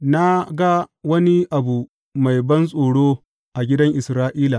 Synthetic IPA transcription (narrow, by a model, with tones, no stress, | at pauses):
na˦ɡa˦wɐ˦ni˦ʔa˨bu˨ | ma˨jbɐ˦nsʼoː˨ɽoː˦ | ʔa˨ɡʲɪ˦dɐ˦ŋʔɪ˨sɾaː˦ʔiː˦la˨